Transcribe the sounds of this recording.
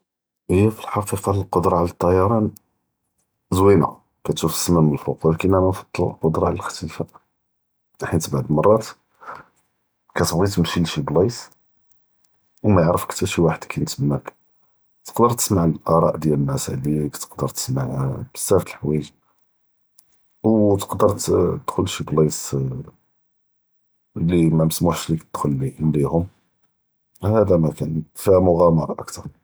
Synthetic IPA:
ʔəjːæfilħɑfifɑləlqod̪ɾˤɑʕlæt̪ˤːɑjɑɾˤɑn | zwinæ̰ | kæt̪ʃufə̥sːəmæməlfoqɑlkinæmænfɑ̥t̪ˤːllqod̪ɾˤɑʕləlxæ̥t̪ifa | ħint̪baʕd̪mɑrˤːɑt̪ | kæt̪bɣit̪mʃilʃiblɑs | wmæjʕɾəfkt̪əɾʃiwaħəd̪kʰænt̪əmːæk | t̪ə̥qd̪əɾˤt̪ə̥smaʕllʔɑɾˤɑ̰ʔd̪jæləmæsʕlikt̪ə̥qd̪əɾˤt̪ə̥smaʕbə̥sːæft̪əlħwæʒ | wt̪ə̥qd̪əɾˤt̪d̪̥xʊlʃiblis | limæməsmuħʃlik̪əd̪̥xʊlːinlihʊm | hæd̪æmækænfæmʊɣæmɑɾˤɑʔə̰kt̪ɑɾˤ

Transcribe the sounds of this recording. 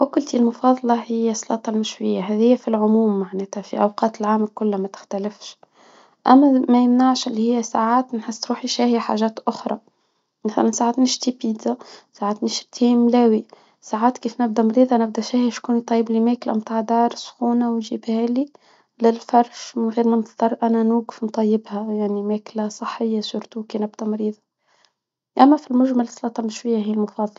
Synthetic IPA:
wɪkʊlt̪ilmʊfɑːðˤɑlɑhɪjːæsˤlɑ̰ːt̪ˤɑlmɪʃwɪjːæɦæːðɪjːæfilʕʊmuːmːaʕnæːt̪hæfiʔɑwqɑːt̪ɪlʕaːmɪlkʊlːæmæt̪ɪ̥xt̪ælɪfʃ | ʔæmːæmæjəmnaʕʃʔɪlːihɪjːæsaʕaːt̪nħəsːɾuːħiʃæːhiħa̰ʒæːt̪ʔʊxɾˤɑ̰ | maθæ̰lænsaːʕaːt̪nɪʃt̪ipiːd̪zasaʕaːt̪nɪʃt̪ʰiːmlæːwi | saʕaːt̪kiːfnɪb̚d̪æmɑɾiːðˤɑnɪb̚d̪æʃæːhiʃkuːnit̪ˤɑjːɪblimæːklæ̰mt̪aːʕd̪ɑːɾˤsxuːnawnʒiːbhæːli | lɪlfɑɾˤʃɣiːɾmʊnt̪t̪ˤɑɾˤʔænænuːɡɪfnt̪ˤɑjːɪbhæjaʕnimæːklæsˤəħːɪjːasuɾt̪uːkinɪbd̪æmɑɾiːðˤɑ | ʔæmːæfilmʊʒmalslɑːt̪ˤɑmːʃwɪjːæhijːælmɑfɑːðˤl

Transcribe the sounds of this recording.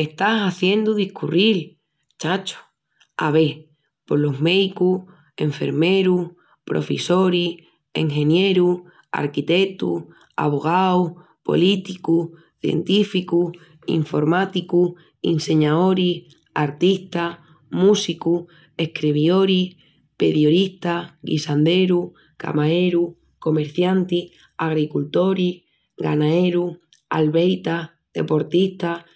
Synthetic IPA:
e̞ht̪asaθje̞nd̪uðihkuril | t͡ʃat͡ʃo̥ | a̰βe̞ | po̞lo̞ɦme̞ðiku | e̞ɱfe̞̰ɾme̞ɾuh | pɾʔo̞̰feso̞ɾih | ḛŋxẽ̞nje̞ɾu | a̰ɾkit̪e̞t̪ṵh | a̰βo̞ɣ̞awh | po̞̰lit̪ikuh | θjḛnt̪ifikuh | ḭɱfo̞ɾmat̪iku | ḭnse̞ɲaðo̞ɾi | aɾt̪iht̪a | musiku | ehkɾiβjo̞ɾih | peɾjoðiht̪aɡḭsand̪eɾu | ka̰maeɾu | ko̞meɾθjant̪ih | aɣɾikult̪o̞ɾih | ɣanaeɾu | a̰lβejt̪a | ðe̞̰po̞ɾt̪iht̪a

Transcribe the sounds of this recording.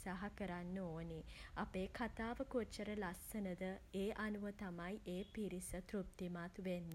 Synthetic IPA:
saɦakəɾanːəoːniapeːkʰat̪aːʋəkot͡ʃːəɾəlasənəd̪əeːʔanuʋət̪amajʔeːpiɾisət̪ɾup̚t̪imat̪ʋenːə

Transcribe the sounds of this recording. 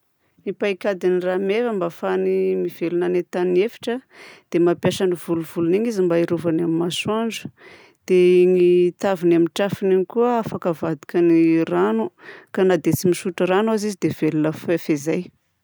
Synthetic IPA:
nipaikʲad̪iniramevəmbafanimiv̥elunanet̪aniefi̥ʈ͡ʂəd̪̥emapjaʃanivuluvuluniɲizimbaiɾovanamimasuaɳd͡ʒə̥ | d̪̥eŋit̪avinamiʈ͡ʂafiniɲikuəafakəvad̪ikʲəniranukanad̪et͡simiʃuʈ͡ʂəɾanuazizid̪ev̥elunəfefezaj

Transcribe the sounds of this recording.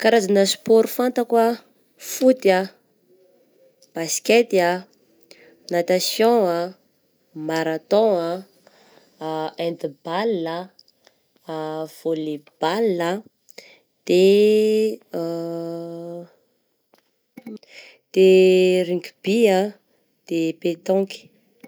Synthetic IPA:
kaɾazanəsu̥poɾufant̪akwa | fut̪a | b̥asket̪ia | nat̪asjɔ̃a | maɾat̪ɔ̃a | ẽnt̪ibalːə | v̥olib̥alːə | d̪̥e | d̪̥eɾiŋɡb̥ia | d̪̥epet̪ɔ̃ki̥

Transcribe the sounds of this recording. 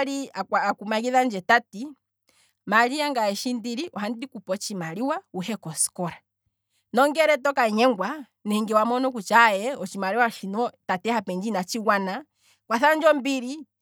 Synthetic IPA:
ɾiakaakumaɡiðand͡ʒɛtati | maɾiaŋɡaɛʃindiɾiʔɔɦandikupɔt͡ʃimaɾiwauɦɛkɔskɔɾa | nɔŋɡɛɾɛtɔkaɛɲɛŋɡwa | nɛiŋɡɛwamɔnɔkut͡ʃajɛɔt͡ʃimaɾiwaʃinɔtatɛhapɛɲd͡ʒinat͡ʃiwana | kwaθand͡ʒɔmbiɾi

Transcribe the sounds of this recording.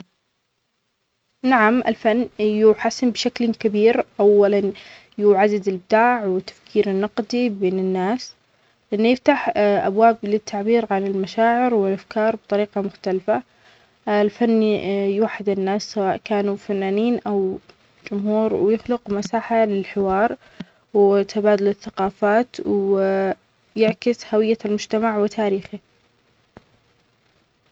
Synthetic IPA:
naʕamʔɪ̰lfanːjuːħasːɪmbɪʃaklkabiːɾʔawːalan | juːʕad̪ad̪ɪlbɪd̪aːʕwɪt̪ːḁfkʰiːɾɪnːɑqd̪ibeːnɪnːaːs | lɪʔɪnːjɪft̪aħʔabwaːblɪt̪ʰːaʕbiːɾʕanɪlmaʃaːʕɪɾwɪlʔafkʰɑːɾˤb̚t̪ˤɑɾiːqɑmʊxt̪alfa | lfanːjwaħːɪd̪ɪnːaːsːawaːʔkaːnufanːaːniːnʔaw | d͡ʒʊmhuːɾwjɪxlʊqmasaːħalɪlħɪwɑːɾˤ | wt̪ʰabaːd̪ʊlɪθːaqɑːfaːt̪w | jɪʕkɪshawɪjːalmʊd͡ʒt̪amaʕwɪt̪ʰaːɾiːxi

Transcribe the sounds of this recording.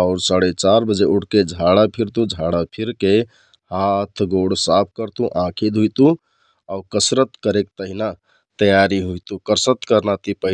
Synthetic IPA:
aʊɾsaɽet͡ʃaɾbəd͡ʒeuɽked͡ʒʱaɽapʰiɾt̪ũd͡ʒʱaɽapʰiɾke | hat̪ʰɡoɽsap̚ʰkəɾt̪ũʔãkʰid̪ʱɦujt̪ũ | aʊkəsɾət̪kəɾek̚t̪əɦina | t̪əjaɾiɦujt̪ũkəɾsət̪kəɾnat̪ipəɦ

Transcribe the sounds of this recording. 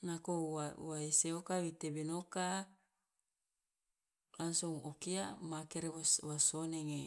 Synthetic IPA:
nakoawaeseokawit̪ebenoka | lansoŋokiamakeɾewswasoneŋe

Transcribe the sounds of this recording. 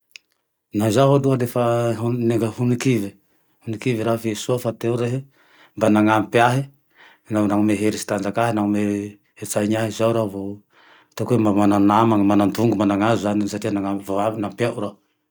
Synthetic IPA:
nazaɦod̪uadefaɦuneŋɡahunikivi | hunikiviɾafesuafat̪ewɾeɦi | mbanaŋampaɦi | nanaŋumeɦeɾisi̥t̪and͡ʒakaɦinaŋume | het͡saiɲaɦizawɾavo | t̪akuemamananamaŋmanand̪uŋɡumanaŋazuzaninsaʈ͡ʂianaŋavanampjaɾa

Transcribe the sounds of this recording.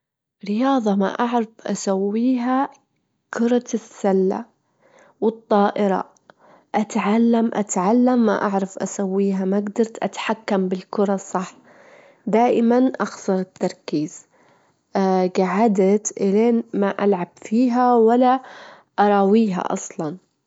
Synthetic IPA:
ɾɪjɑːðˤɑma̰ʔaʕɾˤɑfʔa̰sawːiːɦa | kʰʊɾˤɑsːalːa̰ | wɨt̪ˤːɑːʔɪɾˤɑ̰ | ʔat̪ʕalːamʔa̰t̪ʕalːamːa̰ʔaʕɾˤɑfʔasawːiːɦamaɡd̪ɑɾˤt̪ʔa̰t̪ħakːambɪlkʊɾˤɑsˤːɑħ | d̪aːʔɪmanʔɑxsˤɑɾˤɪt̪ːɑɾˤkiːz̥ | ɡaʕad̪at̪ʔɪleːnmaʔalʕabfiːɦawalːa | ʔɑɾˤɑwiːɦa̰ʔɑ̰sˤlɑn

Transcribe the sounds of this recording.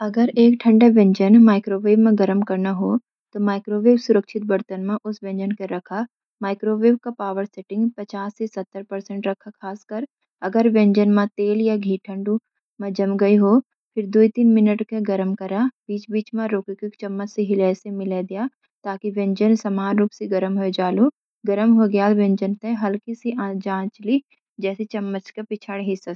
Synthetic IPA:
ɐɡəɾeːk̚ʈʰɐ̃ɳɖaʋɛ̃ɲd͡ʒənmaːɪkɾoːʋeːbmẽɡɐɾəmkɐɾnaɦo | t̪omaːɪkɾoːʋeːbsʊɾəkʃʰɪt̪̚bɐɾt̪ənmẽʔʊsʋɛ̃ɲd͡ʒənkeɾɐkʰa | maːɪkɾoːʋeːb̚kapaːʋəɾsɛʈɪ̃ŋɡpɐt͡ʃaːsːesɐt̪ːəɾpɐɾsə̃ɳʈɾɐkʰakʰaːskəɾ | ɐɡəɾʋɛ̃ɲd͡ʒənmãt̪eːljaɡʱiːʈʰə̃ɳɖu | mɐ̃d͡ʒɐmɡɐiɦoː | pʰɪɾd̪uit̪iːnmɪnəʈkeɡɐɾəmkɐɾabiːt͡ʃbiːt͡ʃmãɾoːkikɪkt͡ʃɐmːət͡ʃseɦɪlɛːsemɪled̪ɪjaː | t̪aːkiʋɛ̃ɲd͡ʒənsɐmaːnɾuːpseɡɐɾəmɦoed͡ʒaːlu | ɡɐɾəmɦoɡjaːlʋẽɲd͡ʒənt̪ẽɦɐlkisiʔãːd͡ʒãːt͡ʃli | d͡ʒɛːsit͡ʃɐmːət͡ʃkepɪt͡ʃʰaːɽɦɪsɐs

